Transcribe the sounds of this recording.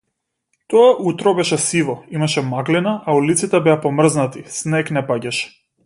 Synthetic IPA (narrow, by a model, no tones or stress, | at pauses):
t̪ɔaʔut̪ɾɔbɛʃɛsivɔimaʃɛmaɡlinaʔaulit̪sit̪ɛbɛapɔmr̩znat̪isnɛknɛpaɟaʃɛ̥